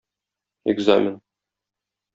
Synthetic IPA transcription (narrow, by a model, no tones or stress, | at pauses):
ɪ̰ɡza̰mʲɪn